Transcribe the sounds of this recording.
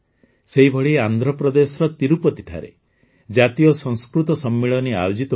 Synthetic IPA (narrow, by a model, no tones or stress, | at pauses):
seɦibʱɔɭiand̪ʱɾɔpɾɔd̪esɔɾɔt̪iɾupɔt̪iʈʰa̰ɾḛ | d͡ʒat̪ijɔsɔ̃ŋskɾut̪ɔsɔmːiɭɔnia̰jod͡ʒit̪ɔ